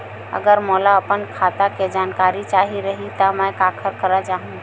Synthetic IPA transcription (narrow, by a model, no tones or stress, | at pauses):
ə̰ɡəɾmɔlaəpənkʰat̪aked͡ʒankaɾit͡ʃaɦiɾəɦit̪ɔmɛkakʰəɾkəɾəd͡ʒaɦũ